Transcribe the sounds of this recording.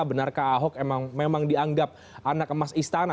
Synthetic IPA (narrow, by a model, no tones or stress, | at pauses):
bənarkaːɦɔk̚emaŋmemaŋdiaŋɡap̚ | ʔanak̚əmasist̪ana